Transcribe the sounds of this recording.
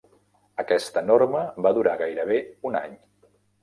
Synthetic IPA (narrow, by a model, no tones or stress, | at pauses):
əkɛst̪ənoɾməβaðuɾaɣajɾəβ̞euna̰ɲ